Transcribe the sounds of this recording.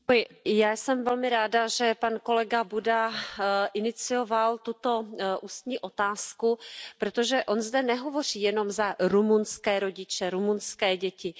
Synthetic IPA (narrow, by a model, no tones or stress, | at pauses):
ojjaːsɛmvɛlmɪɾaːdaʒɛpanko̞lɛɡabudaʔɪnɪt͡sɪjo̞valt̪ut̪o̞ʔuːst̪ɲiːʔo̞t̪aːskupɾot̪o̞ʒɛʔo̞nzdɛnɛɦo̞vo̞r̝iːjɛno̞mzaɾumunskɛːɾo̞ɟɪt͡ʃɛɾumunskɛːɟɛcɪ